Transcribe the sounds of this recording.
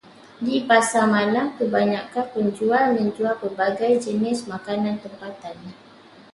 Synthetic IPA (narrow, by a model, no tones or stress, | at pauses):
dipasamalamkəbaɲakanpəɲd͡ʒualmə̃ɲd͡ʒualpərbaɡajd͡ʒənɪsmakanãnt̪əmpat̪an